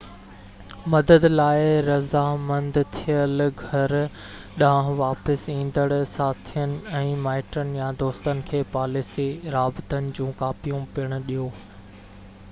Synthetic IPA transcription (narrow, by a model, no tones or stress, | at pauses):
mɐd̪əd̪laːɪɾɐzamɐ̃nd̪t̪ʰijəlɡʱɐɾ | ɗãɦʋaːpəsĩːn̆d̪əɽsaːt̪ʰijənɪ̆ɛ̃ːmaːɪʈɾənɪ̆jad̪oːst̪ənɪ̆kʰeːpaːlisiɾaːbt̪ənɪ̆d͡ʑũːkaːpijũpiəɽ̃ʊɗijoː